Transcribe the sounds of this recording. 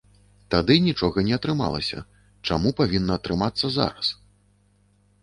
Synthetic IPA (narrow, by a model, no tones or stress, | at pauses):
t̪ad̪ɨnʲit͡ʂɔɣɐnʲɛɐt̪ɾɨma̰lˠɐ̰sʲɐ̰ | t͡ʂamupavʲinːɐːt̪ɾɨmat̪sːɐza̰ɾɐs